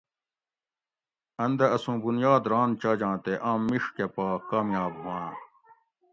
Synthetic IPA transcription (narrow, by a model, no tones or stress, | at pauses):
ɐnd̪ɐɐsũːbunjaːd̪ɾãːnt͡ɕɐːd͡ʑãːt̪eʔãːmːiʂkepaːkaːmjaːbmãː